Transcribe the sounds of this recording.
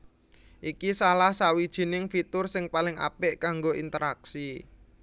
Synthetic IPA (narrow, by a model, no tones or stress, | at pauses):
ʔikisalahsawid̥ʒ̥i̤nɪŋfit̪ʊrsɪŋpalɪŋa̰pɪʔkaŋɡoʔint̪əɾaksi